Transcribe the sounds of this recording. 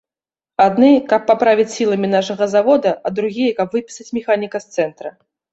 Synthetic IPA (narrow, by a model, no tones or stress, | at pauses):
ad̪nɨkɐpːapɾavʲit͡sʲsʲilˠɐmʲinaʂɐɣɐzavɔd̪ɐɐd̪ɾuɣʲijɐkɐbvɨpʲi̥sɐt͡sʲmʲɛxanʲikɐst̪sɛnt̪ɾɐ